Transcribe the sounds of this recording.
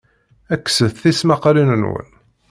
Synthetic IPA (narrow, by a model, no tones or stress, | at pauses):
ækːsəθθismɑqɾinənwə̰n